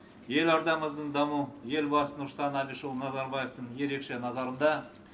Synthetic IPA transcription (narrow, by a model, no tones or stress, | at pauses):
je̞lɑɾd̪ɑməzd̪əɴd̪ɑmuje̞lbɑsənʊɾst̪ɑnæliʃəlˠnɑzɑɾbɑje̞ft̪əɴje̞ɾe̞kʃe̞nɑzɑɾənd̪ɑ